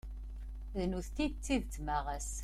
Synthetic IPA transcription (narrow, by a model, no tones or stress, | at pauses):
ðnuθt̪id̪t͡sːiðt͡s̪ːmaʁæs